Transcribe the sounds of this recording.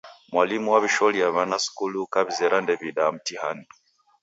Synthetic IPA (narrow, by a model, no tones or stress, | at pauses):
mwalimuwaβiʃɔliaβanasi̥kulukaβizeɾʔandeβidamutihani